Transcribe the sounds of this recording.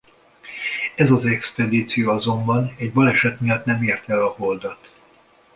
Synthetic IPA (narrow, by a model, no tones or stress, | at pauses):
ɛzɒzɛkspɛd̪iːt̪sijoɒzo̞mbɒnɛɟbɒlɛʃɛt̪mijɒt̪nɛmeːrt̪ɛlɒhold̪ɒt̪